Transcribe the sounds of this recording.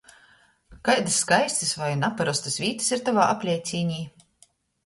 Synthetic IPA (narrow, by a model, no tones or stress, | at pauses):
kajd̪ɨsːkajst̪ʲɨsvajnapaɾɔst̪asvʲiːt̪ɨ̥siɾt̪avaːʔapʲlʲɛjt̪sʲiːɲʲiː